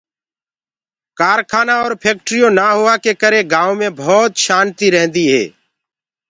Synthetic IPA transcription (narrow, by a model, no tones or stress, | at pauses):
kaːɾkʰaːnaːɔːɾpʰeːk̚ʈɾijõːnaːɦʊaːkeːkəɾẽːɡaːõːmẽːbʱɔːt̪ʃaːnt̪iːɾɛɦnd̪iːɦɛ̰ː